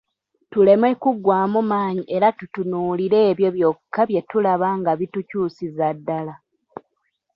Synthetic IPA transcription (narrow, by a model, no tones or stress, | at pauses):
tule̞mwekuɡːwaːmumaːɲiʔe̞ɾatutunuːliɾe̞ːβjo̞βjo̞kʰːaβje̞tulaβaŋɡaβitucuːsizadːala